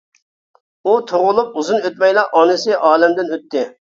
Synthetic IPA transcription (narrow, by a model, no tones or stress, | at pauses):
ut̪ʰoʁʊlˠup̚uzunøt̪̚mɛjlˠɑʔɑnɨsɨɪʔɑːlɛmd̪ɪnøt̪ʰːɪ